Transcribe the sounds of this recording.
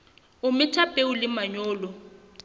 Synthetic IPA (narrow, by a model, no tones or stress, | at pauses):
ʊmɪtʰapʼeʊlɪmaɲɔːlɔ